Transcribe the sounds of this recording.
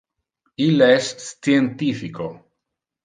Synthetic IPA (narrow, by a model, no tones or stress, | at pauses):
ileesient̪ifiko